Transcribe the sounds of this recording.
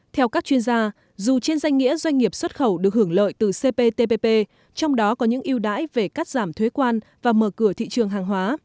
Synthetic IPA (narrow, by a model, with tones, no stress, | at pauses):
t̪ʰɛ˧wkaː˦˥k̚t͡ɕwi˧ənzaː˧ | zu˨˩t͡ɕe˧nzwa˧jŋ̟ŋḭ˧˥əzwa˧jŋ̟ŋi˨˩əp̚swə˦˥t̚xə˧˩wɗɨ˨˩ək̚hɨ˧˩əŋlə̰ː˧˨jt̪ɨ˨˩se˧pe˧t̪e˧pe˧pe˧ | t͡ɕɔ˧wŋ͡mɗɔ˨˦kɔ˨˦ɲɨ̰˧˥ŋʔi˧əwɗa̰ː˧˥jve˨˩ka˦˥k̚zaː˧˩mt̪ʰwe˨˦kwaː˧n | vaː˨˩məː˧˩kɨ˧˩ət̪ʰḭ˧˨t͡ɕɨ˨˩əŋɦaː˨˩ŋɦwaː˨˦